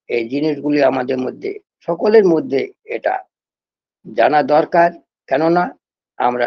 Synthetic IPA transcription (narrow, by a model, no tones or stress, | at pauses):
ejd͡ʑiniʃɡuliamad̪eɾmod̪ʱːḛ | ʃɔkoleɾmod̪ʱːeeʈa̰ | d͡ʑanad̪ɔɾkaɾ | kɛnona | a̰mɾa̰